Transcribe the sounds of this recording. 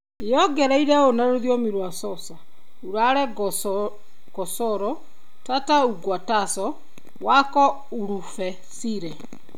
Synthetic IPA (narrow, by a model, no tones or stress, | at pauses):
jɔɡɛɾaiɾɛonaɾoðiomiɾwasɔsa | uɾaɾɛɡ | ɡ̥ɔsɔɾɔ | tatauɡwatasɔ | wakɔ | uɾufɛ | siɾɛ